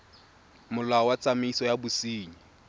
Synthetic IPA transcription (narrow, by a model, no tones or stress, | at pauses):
mʊlaɔwat͡sʼamisɔjabʊsiːɲi